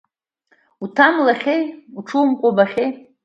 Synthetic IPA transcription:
utʰamlaχʲejuʈ͡ʂʰuwmkʷʼobaχʲej

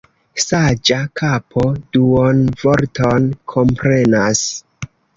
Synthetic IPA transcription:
sad͡ʒakʰapʰo̞d̥uonvo̞ɾtʰo̞nkʰo̞mpɾe̞nas

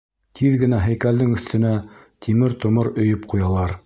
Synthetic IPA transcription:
t̪ʰiðɡɘ̆næɦæjkæld̪ɘŋɵ̆θt̪ɵ̆næ | t̪ʰimɘɾt̪ŏmɤɾɵ̆jɵpqujɑlˠɑɾ

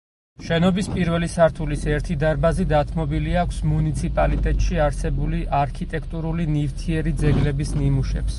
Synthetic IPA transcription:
ʃɛnɔbispʼiɾvɛlisaɾt̪ʰulisɛɾt̪ʰid̪aɾbazid̪at̪ʰmɔbiliakʷʰsmunit̪sʰipʼalit̪ʼɛt̪ʼʃiaɾsɛbuliʔaɾkʰit̪ʼɛkʰt̪ʼuɾulinift̪ʰiɛɾid̪zɛɡlɛbisnimuʃɛ̰ps

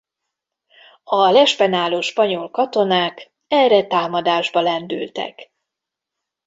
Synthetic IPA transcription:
ɒlɛʃpɛnaːloːʃpɒɲolkɒt̪o̞naːk | ɛrɛt̪aːmɒd̪aːʒbɒlɛnd̪y̰lt̪ɛ̰k

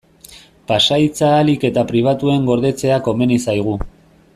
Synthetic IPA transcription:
pasajt͡saːlike̞t̪apɾiβ̞at̪ue̞ŋɡo̞ɾðe̞t͡se̞ako̞me̞nisajɣ̞u

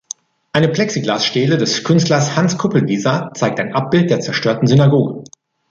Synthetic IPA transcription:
ʔaɪnəpl̥ɛksiɡlaːsʃtɛːlədɛskʰʏnstlɐshanskʰʊpl̩viːzat͡saɪk̚taɪnʔap̚b̥ɪlt̚d̥eːɐt͡sɛɐʃtøːɐtn̩zynaɡoːɡə

